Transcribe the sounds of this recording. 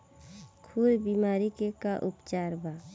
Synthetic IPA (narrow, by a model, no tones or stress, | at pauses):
kʰuɾbimaːɾikekaʔupt͡ʃaːɾba